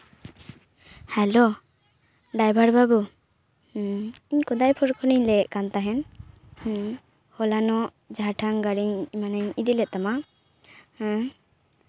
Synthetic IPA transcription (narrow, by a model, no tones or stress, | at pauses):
hɛlo | ɖajbʱaɽbabu | iɲkɔd̪ajpʰɔɾkʰɔniɲlɛʔkant̪aɦɛn | h | hɔlanɔʔ | d͡ʒaʈʰaŋɡaɽiɲmanaɲid̪ilɛʔ̚t̪ama